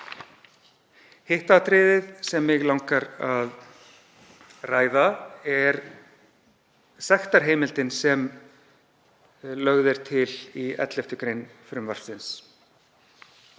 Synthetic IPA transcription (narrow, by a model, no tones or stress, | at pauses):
hɪht̪at̪ʰɾɪːðɪðsɛmːɪɣlawŋkaɾað | raːjðaɛɾ | sɛxt̪aɾ̥ɦeːjmɪlt̪ɪnsɛm | lœɣðɪɾ̥t̪ʰɪliɛ̰t̪lɛft̪ʏkɾejnfɾʏmvaɾ̥sɪns